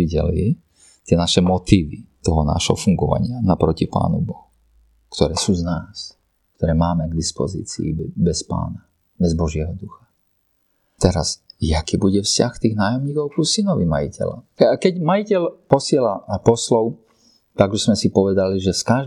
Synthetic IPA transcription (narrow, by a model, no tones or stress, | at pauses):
iɟɛ̰li | t̪ɪɛnaʃɛmɔt̪iːʋit̪ɔɦɔna̰ʃɦɔ̰fuŋɡɔʋa̰ɲɪanapɾɔcipa̰ːnṵbɔɦu | kt̪ɔɾɛːsuːznaːs | k̚t̪ɔɾɛːmaːmɛɡd̪ispɔzḭːt͡sḭːbɛspa̰ːna | bɛzbɔʒɪɛɦɔd̪uxḁ | t̪ɛɾa̰zjakiːbuɟɛfscaxkt̪iːɣnaːjɔmɲiːkɔʊpɾusinɔʋima̰jḭcʰɛ̰la̰akɛɟmajicɛlpɔsɪɛlapɔslɔʊ | t̪aɡuʃzmɛsipɔʋɛd̪aliʒɛskaʒ